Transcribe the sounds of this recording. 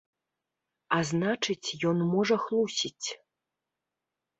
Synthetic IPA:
aznat͡ʂɨt͡sʲjɔnmɔʐɐxlˠusʲit͡sʲ

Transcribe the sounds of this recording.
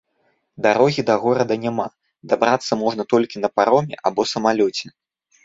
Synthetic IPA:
d̪aɾɔɣʲid̪ɐɣɔɾɐd̪ɐnʲama | d̪abɾat̪sːɐmɔʐnɐt̪ɔlʲkʲinɐpaɾɔmʲɛ̰ʔabɔsɐmalʲɔt͡sʲɛ

